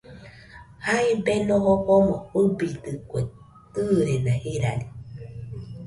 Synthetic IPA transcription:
haibenohopomohɯbit̪ɨkʷe | t̪ɨːɾenahiɾa̰ɾi

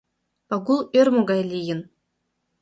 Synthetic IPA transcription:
pɑɡulˠørʲmoɡɑjlʲijɘ̆n

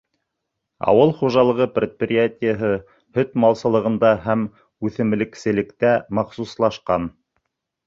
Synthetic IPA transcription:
ɑ̰wɤlˠχuʒɑlˠɤ̆ʁɤprʲet̪̚prʲɪjatʲɪjəɦɤ | hɵt̪mɑlˠsɤ̆lˠɤ̆ʁɤ̆nd̪ɑɦæm | ʉθɘ̆mɘ̆lɘ̆ksɘ̆lɘ̆kt̪æmɑχsuslˠɑʃqɑn

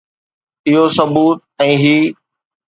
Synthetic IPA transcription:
ɪɦosɐbuːt̪̚ɛ̃ːɦiː

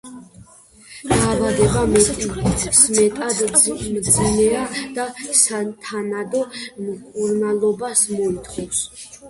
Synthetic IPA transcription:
d̪̥aːvad̪ɛbamɛt̪ʼismɛt̪ʼad̪mzinɛad̪̥asat̪ʰanad̪ɔmkʼuɾnalˠɔbasmɔit̪ʰχɔs

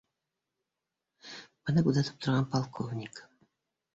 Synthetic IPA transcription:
bɤ̆nɤkud̪ɑt̪ɤ̥p̚t̪ŏɾʁɑnpɑlˠkʰovnʲik

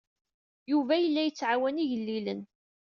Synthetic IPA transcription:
juvæjəlːæjət͡sːʕawæniʝəlːilən

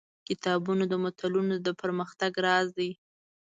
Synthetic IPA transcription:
kɪt̪ɑbunod̪əmʊt̪alunod̪əpəɾməxt̪aɡɾɑzi

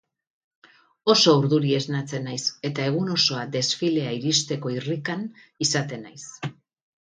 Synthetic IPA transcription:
o̞so̞uɾðuɾie̞znat͡se̞najse̞t̪ae̞ɣ̞uno̞so̞ad̪e̞sfile̞aiɾist̪e̞ko̞irikan | isat̪e̞najs

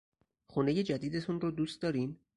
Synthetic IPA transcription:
xuːne̞je̞d͡ʒæd̪iːd̪et̪ʰunɾod̪uːst̪d̪ɒːɾiːm

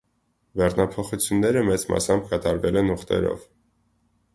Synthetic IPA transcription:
bɛrnɑpʰɔχut͡sʰjunːɛɾəmɛt͡smɑ̰sɑmbkɑt̪ɑɾvɛlɛnuχt̪ɛ̰ɾɔ̰v

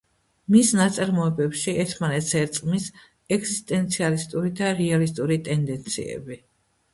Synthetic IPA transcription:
misnat̪sʼaɾmɔɛbɛpʃiɛɾt̪ʰmanɛt̪sɛɾt̪sʼqʼmis | ɛɡzist̪ʼɛnt̪sʰialist̪ʼuɾid̪aɾɛalist̪ʼuɾit̪ʼɛnd̪ɛnt̪sʰḭɛ̰bi

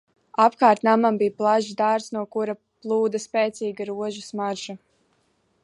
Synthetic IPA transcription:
apkaːɾt̪namambijplˠaʒzd̪aɾsnuɔkuɾa | plˠuːd̪aspɛːt̪siːɡaɾuɔʒusmaɾʒa

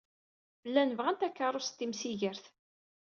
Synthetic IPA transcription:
lːænvʁænt̪ækːəɾˤost̪ːimsiʝəɾθ

